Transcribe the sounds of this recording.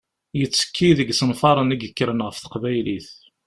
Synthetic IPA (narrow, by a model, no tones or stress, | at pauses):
jət͡sːə̥kʰːiðəɡsənfɑɾˤəniɡəkːɾənʁəfθə̥qvæjliθ